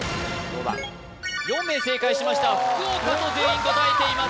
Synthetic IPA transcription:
oβa̰ | jõ̞mːe̞ːse̞ːkaiɕimaɕi̥t̪aat̪ozeːɲĩŋkot̪aet̪eima

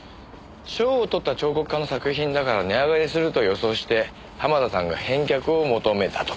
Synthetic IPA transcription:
ɕoːt̪o̞t̪ːat͡ɕo̞ːko̞kɯ̥kːano̞sakɯ̟çĩnd̪akaɾaneaɡaɾisɨɾɯ̟t̪o̞jo̞so̞ːɕi̥t̪e̞ | hamad̪asãŋɡa̰hẽ̞ŋkʲakɯ̟o̞mo̞t̪o̞me̞t̪ḁt̪o

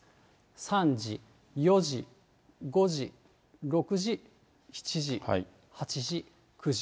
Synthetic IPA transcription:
sãɲd͡ʑi | joʑi | ɡo̞ʑi | ɾo̞kɯ̟ʑi | çi̥t͡ɕiʑia̰i | hat͡ɕiʑi | kʰɯ̟ʑi

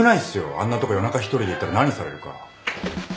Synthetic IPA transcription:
ɯnaisɨjo̞̰ã̰nːat̪o̞kojo̞nakaçi̥t̪o̞ɾʲid̪eit̪ːaɾanaɲ̟ːisaɾe̞ɾɯ̟ka̰

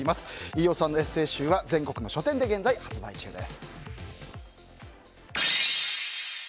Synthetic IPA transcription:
imasɨ̥ijo̞ːsãnːo̞e̞sɨe̞ːɕɨːβazẽ̞ŋko̞kɯ̟no̞ɕo̞t̪ẽ̞nd̪e̞ɡẽ̞nd͡zaihat͡sɨba̰it͡ɕɨ̰ːd̪e̞̰sɨ̥

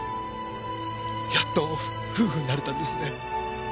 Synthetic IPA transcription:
jat̪ːo̞ | ɸɯ̟ːhɯ̟ɲ̟inaɾe̞t̪ãnd̪esɨne̞

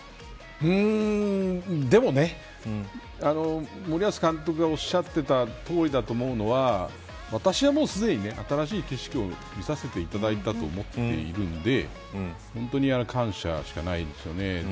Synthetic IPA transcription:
ɯ̃ | d̪e̞mo̞ne̞ | ano̞moɾʲiasɨ̥kãnt̪o̞kɯɡao̞ɕːat̪ːe̞t̪at̪o̞ːɾʲid̪at̪o̞ːmo̞ɯ̟no̞βa | βat̪aɕiβamo̞ːsɨd̪e̞ɲ̟ine̞ʔat̪aɾaɕiːke̞ɕi̥kʲio̞ | mʲisase̞t̪e̞it̪ad̪ait̪at̪o̞̰ːmo̞t̪ːe̞̰iɾɯ̟̃nd̪e̞ | hõ̞nt̪o̞ɲ̟ianokʰãɰ̃ɕa̰ɕi̥kanaid̪d̪e̞sɨjo̞ne̞

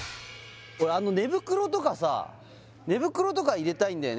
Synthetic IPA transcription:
koɾeano̞ne̞bɯ̟kɯ̟ɾo̞t̪o̞kasa̰ | ne̞bɯ̟kɯ̟ɾo̞t̪o̞kaiɾe̞t̪aĩnd̪ajo̰n

